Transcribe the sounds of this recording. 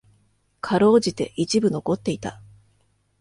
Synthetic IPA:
kʰaɾo̞ːd͡ʑit̪e̞ʔit͡ɕibɯ̟no̞ko̞t̪ːe̞it̪a

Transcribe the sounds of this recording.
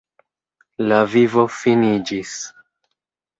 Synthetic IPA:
lavivo̞finid͡ʒis

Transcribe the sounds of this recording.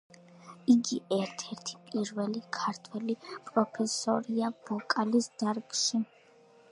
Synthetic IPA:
iɡiɛɾt̪ʰɛɾt̪ʰi̥pʼiɾvɛlikʰaɾt̪ʰwɛlipʼɾɔpʰɛsɔɾiab̥ɔkʼalisd̪̥aɾkʼʃi

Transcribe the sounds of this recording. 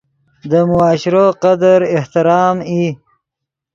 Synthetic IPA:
d̪əmʊɑːʃɪɾoqad̪əɾɪht̪ɪɾɑːmi

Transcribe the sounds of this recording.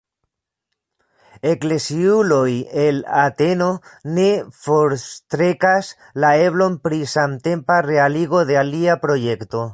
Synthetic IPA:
eklesiulojelat̪eno̞nefoɾst̪ɾekas | laeβlo̞npɾisamt̪e̞mparealiɣo̞ðealiapɾo̞jekt̪o

